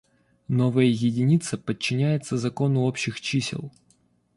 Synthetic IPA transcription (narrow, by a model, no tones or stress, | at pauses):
no̞vəjəjɪdʲɪnʲit̪səpət͡ɕːɪnʲæjɪt̪səzɐko̞nʊo̞pɕɪxt͡ɕisʲɪ̰lˠ